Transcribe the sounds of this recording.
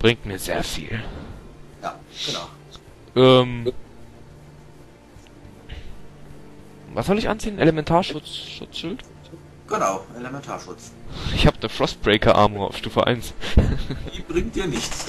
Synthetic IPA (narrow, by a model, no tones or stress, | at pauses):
b̥ʁɪŋtmiːɐzḛːɐfḭːl | ja̰ː | ɡ̥ənaʊ | ʔɛːm | vasz̥ɔlɪçʔa̰nt͡siːənʔelemɛntʰaːɐʃʊt͡sʃʊ̰t͡sʃʊlt | ɡ̥ənaʊʔelemɛntʰaːɐʃʊt͡s | ɪçhaːbədəfʁ̥ɔst̚b̥ʁeɪkʰɐʔa̰ːmʊŋa̰ʊfʃtuːfəʔa̰ɪns | iːb̥ʁɪŋtiːɐnɪçt͡s